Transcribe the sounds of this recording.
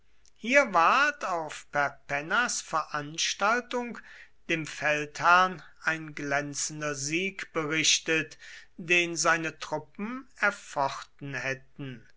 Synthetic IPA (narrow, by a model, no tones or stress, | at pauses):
hiːɐvaɐtaʊfpɛɐpɛnasfɛɐʔanʃtaltʊŋkd̥eːmfɛlthæɐn | aɪnɡlɛnt͡sn̩dɐziːkb̥əʁɪʃtətd̥eːnzaɪnətʁ̥ʊpm̩ɛɐfɔχtn̩hɛtn̩